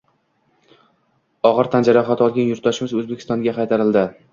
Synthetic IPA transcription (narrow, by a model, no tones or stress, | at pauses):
ɒʁɨɾt̪ʰand͡ʒaɾaχɒt̪ʰɒlˠɡʲanjʊɾt̪̚d̪ɒʃɪmɪzɵzbekʲʰɪst̪ɒnɡʲaqʰɑjt̪ʰaɾɪld̪ɪ